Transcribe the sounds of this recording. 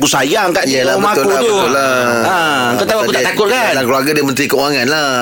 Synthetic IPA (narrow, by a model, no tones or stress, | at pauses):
kusajaŋkaʔjəlaəat̪ʊlkuabt̪uəʊlːa | a | kat̪awakutaʔt̪akʊt̪̚kalakluaɡadiəmənt̪ɾikəuɣaŋanla